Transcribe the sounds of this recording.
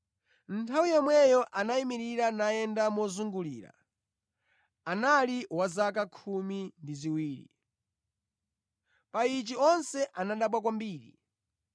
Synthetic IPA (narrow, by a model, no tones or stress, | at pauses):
n̩tʰawijɔmwɛjɔʔanaimiɾiɾanaɛndamɔzuŋɡuliːɾa̰ | analiwazak̬akʰumindiziwiːɾḭ | pait͡ʃiɔnsɛʔanaɗaɓwak̬wambiːɾḭ